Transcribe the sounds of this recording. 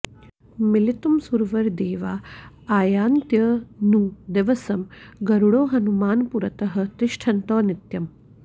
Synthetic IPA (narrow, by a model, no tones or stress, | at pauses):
milit̪umsuɾʋɐɾd̪eːʋaː | aːjaːnt̪jɐnuːd̪eʋɐsɐmɡɐɾuɽoːɦɐnumaːnpuɾɐt̪ɐɦɐ̆t̪iʃʈʰɐnt̪ɔːnit̪jɐm